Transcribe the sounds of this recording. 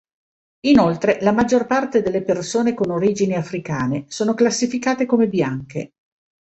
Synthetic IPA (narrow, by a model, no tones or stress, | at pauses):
inolt̪ɾelamad͡ʒːorpart̪ed̪elːepersoːnekonoɾiːd͡ʒiniafɾikaːnesoːnoklasːifikaːt̪ekomebjaŋkḛ